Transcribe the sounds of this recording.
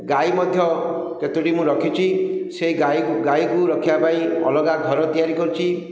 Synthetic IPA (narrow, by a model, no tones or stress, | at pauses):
ɡajmɔd̪ʱjɔ | ket̪uʈimũɾɔkʰit͡ʃʰiseiɡajɡajkuɾɔkʰibapaĩɔ̰lɔɡaɡʱɔɾɔt̪ijaɾikɔɾit͡ʃʰi